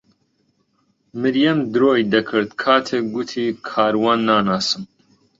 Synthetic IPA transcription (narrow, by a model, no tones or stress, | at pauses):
mɨɾjɐmd̪ɨɾoːjd̪ɐkʰɨɾt̪kʰaːt̪ʰek̚ɡut̪ʰiːkʰaːɾwaːnːaːnaːsɨm